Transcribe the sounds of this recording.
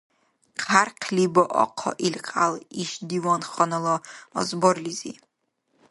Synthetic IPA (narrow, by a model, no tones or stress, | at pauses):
qʰarqʲʰlibaʔɔ̰qʰɔ̰ʔilqʼaliʃdiwanχanalaa̰zborlizḭ